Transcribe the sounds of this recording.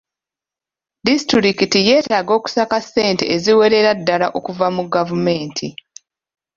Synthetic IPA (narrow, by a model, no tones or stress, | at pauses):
distɾiɾikitije̞ːtaːɡo̞ːku̥sakasːe̞ːnte̞̰ʔeziwe̞ɾe̞ɾadːalaʔokuvamuɡavume̞ːntʰi